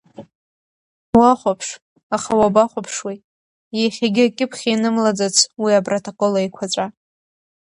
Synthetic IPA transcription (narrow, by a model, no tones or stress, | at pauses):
waχʷapʰʂ | aχawabaχʷapʰʂwi | jeχʲaɡʲɪakʲʼɪpʰχʲinɨmlad͡zat͡sʰwiabrotʰokʼolajkʷʰat͡ʃʷʼa